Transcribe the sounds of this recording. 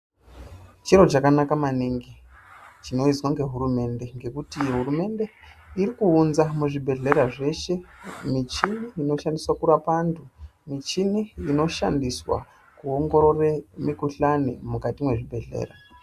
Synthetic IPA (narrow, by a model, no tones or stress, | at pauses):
t͡ʃeɾo̞t͡ʃakanakamaniŋɡi | t͡ʃino̞izwaŋɡe̞ɦuɾume̞nde̞ŋɡe̞kutiɦuɾume̞nde̞ | iɾikuunzamuʐibʱe̞ɮe̞ɾaʐe̞ʃe̞mit͡ʃineino̞ʃandiswakuɾapantʰumit͡ʃineino̞ʃandiswa̰ | kuo̞ŋɡo̞ɾo̞remikuɬanḭmukatimwe̞ʐibʱe̞ɮe̞̰ːɾa